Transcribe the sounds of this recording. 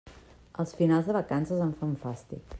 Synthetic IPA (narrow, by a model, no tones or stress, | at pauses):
əlˠsfinalˠzðəβəkansəzəɱfaɱfast̪ḭk